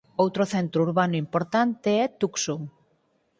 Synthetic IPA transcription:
owt̪ɾoθent̪ɾuɾβanuimpoɾt̪ant̪eɛt̪uksuŋ

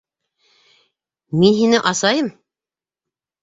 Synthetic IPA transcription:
minɦinɘʔɑsɑjɤm

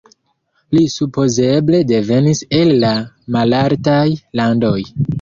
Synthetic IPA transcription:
lisupo̞ze̞ble̞de̞ve̞nise̞lːa | malaɾtajlando̞j

